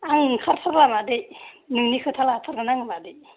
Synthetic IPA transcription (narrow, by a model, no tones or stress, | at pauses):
aŋkʰaɾpʰaɾlamad̪ej | nɯŋnikʰɯtʰalatʰaɾɡɯnaŋmadej